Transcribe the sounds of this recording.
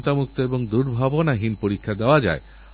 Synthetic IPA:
t̪amuk̚t̪oeboŋd̪uɾbʱabonaɦinpoɾikʰːad̪eoad͡ʑa̰e

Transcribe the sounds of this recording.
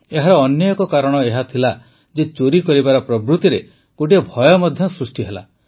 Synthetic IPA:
eɦaɾɔːnjɔjɔkɔkaɾɔɽ̃ɔeɦat̪ʰila | d͡ʒet͡ʃoɾikɔɾibaɾɔpɾɔbɾut̪iɾe | koʈiebʱɔjɔmɔd̪ʱjɔsɾusʈiɦela̰

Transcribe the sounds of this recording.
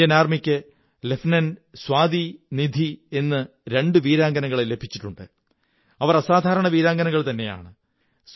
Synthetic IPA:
ɐnaːrmikʲːɨ | le̞fnɐnswaːd̪inid̪ʱie̞nːɨ | ɾe̞ɳɖɨʋiːɾaːŋɡɐnɐŋːɣɐɭele̞bʱit͡ɕːi̥ʈːuɳɖɨ | ɐʋɐrɐsaːd̪ʱaːɾɐɳɐʋiːɾaːŋɡɐnɐŋːɣɐɭt̪ɐnːe̞ja̰ːɳɨ | s

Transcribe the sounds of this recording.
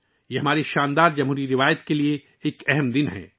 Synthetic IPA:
jeːɦɐmaːɾiʃaːnd̪aːɾd͡ʒɐmɦuːɾiɾɪʋaːjət̪kelie | eːkɛɦɛmd̪ɪnɦɛ̰̃ː

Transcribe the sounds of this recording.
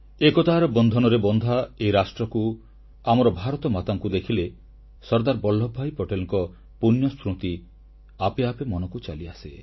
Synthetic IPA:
ekɔt̪aɦɾɔbɔnd̪ʱɔnɔɾebɔnd̪ʱaejɾasʈɾɔku | amɔɾɔbʱaɾɔt̪ɔmat̪aŋkud̪ekʰile | sɔɾd̪aɾbɔlːɔbʱajpɔʈelɔŋkɔ | punjɔspɾut̪i | apeapemɔnɔkut͡ʃa̰liase

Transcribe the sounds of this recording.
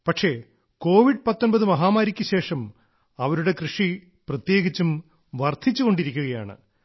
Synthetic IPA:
pɐʈʂe̞ | ko̞ːʋiɖpɐt̪ːonbɐðɨmɐɦaːmaːɾikʲːɨɕe̞ːʂɐm | ɐʋɐɾuɽe̞krɨʂi | prɐt̪je̞ːɡit͡ɕːum | ʋɐrd̪ʰʱit͡ɕːuɣo̞ɳɖiɾikʲːuɣɐja̰ːɳɨ̰

